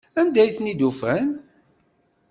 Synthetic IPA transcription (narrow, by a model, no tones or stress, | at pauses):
ænd̪æjθnid̪ufæn